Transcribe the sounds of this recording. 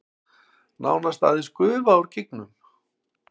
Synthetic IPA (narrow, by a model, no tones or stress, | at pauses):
na̰ːwnast̪a̰ːðɪnskʏːvawɾ̥cɪk̚nʏm